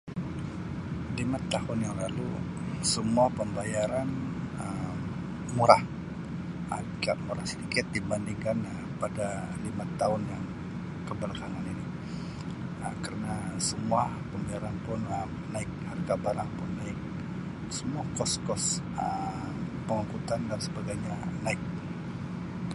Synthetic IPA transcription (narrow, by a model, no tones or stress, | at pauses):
limat̪ahʊnjaŋlalu | səmuahpəmbajaɾanəm | muɾah | əbikaʔmuɾahsədikɪt̪̚dibandiŋkanə | padalimat̪aɦʊnjaŋ | kəbəɾkaŋanini | əmkərənasəmuahpəmbajaɾanpʊnəm | naɪk̚harɡabaɾaŋpʊnːaɪk̚ | səmuakɔskɔs | ə | pəŋukut̪andansəbaɡajɲanaɪk̚